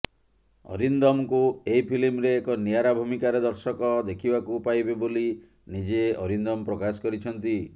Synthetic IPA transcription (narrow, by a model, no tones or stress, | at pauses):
ɔ̰ɾind̪ɔmkueipʰilimɾeːkɔniaɾabʱumikaɾed̪ɔɾsɔkɔd̪ekʰibakupajbeboli | nid͡ʒeɔɾind̪ɔmpɾɔkasɔ̥kɔɾit͡ʃʰɔnt̪i